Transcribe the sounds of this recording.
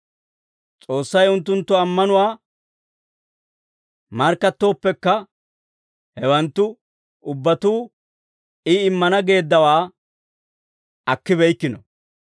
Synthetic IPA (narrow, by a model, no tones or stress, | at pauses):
t͡sʼo̞ːsːɐjʊnt̪ːʊnt̪ːʊɐmːɐnʊwaː | mɐɾkːɐt̪ːo̞ːpːɛkːɐ | hɛwɐnt̪ːʊ | ʊbːɐt̪uː | ɪɪmːɐnɐɡe̞ːd̪ːɐwaː | ɐkːɪbɛjkːɪnɔ